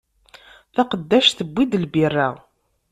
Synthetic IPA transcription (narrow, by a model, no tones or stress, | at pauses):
θaqəd̪ːæʃθəbʷːid̪əlbirːa